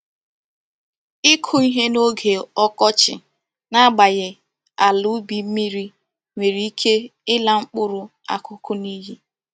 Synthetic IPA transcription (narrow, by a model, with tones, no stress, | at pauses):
ɪ˦kʰʊ˦i˦ɦe˦no˦ɡe˨ɔ˦kɔ˦t͡ʃɪ̰˨ | na˦ɡ͡ba˨ɣɪ˨ | a˨lʊ˦bi˨m̩˦mi˦ɾi˦ | mʷe˨ɾi˨˦i˦kʰe˦ɪ˦la˦ŋ͡m̩˦k͡pʊ˦ɾʊ˨ | a̰˨kʰʊ˦kʊ˦ni˦ɦi˦